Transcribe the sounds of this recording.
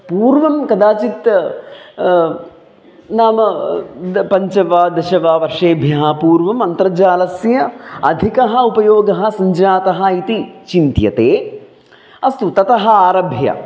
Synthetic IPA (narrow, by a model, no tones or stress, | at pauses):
puːɾʋɐmkɐd̪aːt͡ʃit̪ | naːmɐ | pɐɲt͡ʃɐʋaːd̪ɐʃɐʋaːʋɐɾʂeːbʱjɐɦɐpuːɾʋɐmɐnt̪ɾɐd͡ʒaːlɐsjɐɐd̪ʱikɐɦɐ̆upɐjoːɡɐɦɐ̆sɐɲd͡ʒaːt̪ɐɦɐ̆it̪it͡ʃint̪jɐ̰t̪eː | ɐst̪ut̪ɐt̪ɐɦɐaːɾɐbʱjɐ̰